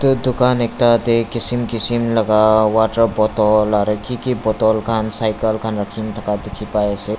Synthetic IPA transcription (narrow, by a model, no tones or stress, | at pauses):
t̪ud̪ukanek̚t̪ad̪ekisimkisimləɡawaʈəɾbɔt̪ɔlaɾəkʰikibɔt̪ɔlkʰansajkəlkʰanɾakʰint̪ʰəkad̪ekʰipaese